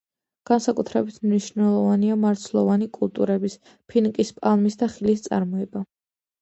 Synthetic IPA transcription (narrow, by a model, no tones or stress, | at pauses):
ɡ̥ansakʼut̪ʰɾɛbit̪ʰmniʃnɛlˠɔvaniamaɾt̪sʰlˠɔvanikʼulˠt̪ʼṵɾɛbis | pʰinkʼispʼalˠmisd̪aχilist̪sʼa̰ɾmɔɛba